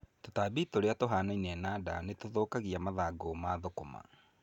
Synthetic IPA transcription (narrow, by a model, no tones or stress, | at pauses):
totaːbitoɾeatoɦaːnainɛnaːdanetoðoːkaɣiamaðaɡomaðokoma̰